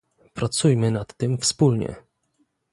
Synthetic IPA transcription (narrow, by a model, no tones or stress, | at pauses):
pɾat̪sujmɘnat̪ːɘmfspulɲɛ̰